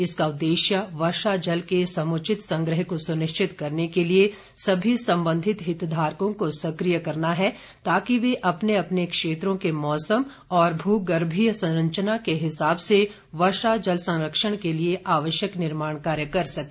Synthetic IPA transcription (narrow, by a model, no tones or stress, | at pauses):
ɪskaʊd̪ːeːʃjəʋɐɾʃad͡ʒɐlkesɐmʊt͡ʃɪt̪sɐ̃ŋɡɾəɦkosʊnɪʃt͡ʃʰɪt̪kɐɾnekelie | sɐbʱisɐ̃mbə̃nd̪ʱɪt̪ɦɪt̪d̪ʱaːɾkõkosɐkɾijəkɐɾnaɦɛ | t̪aːkiʋeʔɐpneɐpnekʃeːt̪ɾõkemɔːsəm | ɔːɾbʱuːɡɐɾbʱijsɐ̃ɾə̃ɲt͡ʃənakeɦɪsaːbse | ʋɐʃad͡ʒɐlsɐ̃ŋɾəkʃəɽ̃kelieʔaːʋəʃjəknɪɾmaːɳ̃kaːɾjəkɐɾsɐke